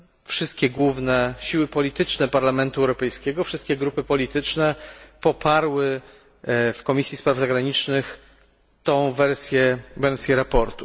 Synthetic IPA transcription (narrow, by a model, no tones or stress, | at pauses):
fʂɘst̪̚kʲɛɡwuvnɛɕiwɘpɔlʲit̪ɘt͡ʂnɛpaɾlamɛnt̪uɛwɾɔpɛjskʲɛɡɔfʂɘst̪̚kʲɛɡɾupɘpɔlʲit̪ɘt͡ʂnɛpɔpʰaɾwɘ | fkɔmʲisʲjispɾavzaɡɾaɲit͡ʂnɘx | t̪ɔ̃w̃vɛɾsʲjɛvɛɾsʲjɛɾapɔɾt̪u